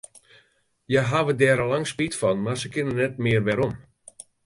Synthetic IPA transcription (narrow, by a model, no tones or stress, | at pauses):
jaɦaʋədɛːɾəlaŋspitfɔnmarsəkɪnənɛt̚mɪərʋɛɾom